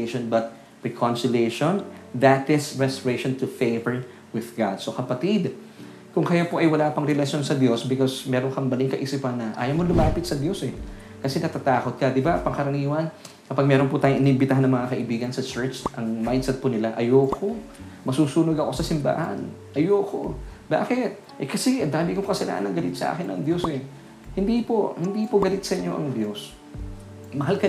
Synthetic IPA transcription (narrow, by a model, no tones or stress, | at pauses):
ʃonbɐt̪̚ | ɹɛkʰɔnsɪleʃonðɐt̪ɪsɹɛst̪oɹeʃont̪ʊfejvɛɹ | wɪðɡad̪sokɐpɐt̪id̪ | kʊŋkɐjopoʔɐjwɐlaːpɐŋɾɛlɐʃjo̞nsɐd̪jo̞sbɪkosmɛːɾoŋkɐmbɐliŋkɐʔisipɐnːɐʔa̰ːjɐmolʊmaːpɪt̪sɐd̪jo̞sɛ | kɐsɛnɐt̪at̪aːkot̪̚kɐd̪ɪbapɐŋkɐɾɐniːwɐn | kɐpaɡ̚mɛːɾonpʊt̪aːjʊŋʔɪnɪmbɪt̪aɦanɐŋmɐŋakɐʔɪbiːɡɐnsɐt͡ʃɛɹt͡ʃʔɐŋmajd̪sɛt̪̚pʊnɪlaʔɐjoːkʰomɐsuːsuːnoɡɐko̞sɐsɪmba̰ːhɐ̰nʔɐjoːko | ba̰ːkɪt̪̚ | ʔɛkɐsɛʔɐnd̪aːmɪʔkoŋkɐsɐla̰ːʔɐ̰nːɐŋɡɐlɪt̪sɐʔa̰ːkɪnɐŋd̪jo̞sɛ | hɪnd̪ipohɪnd̪iːpoɡɐlɪt̪̚sɐʔɪɲːo̞ʔɐ̰ŋd̪jos | mɐɦalkɐ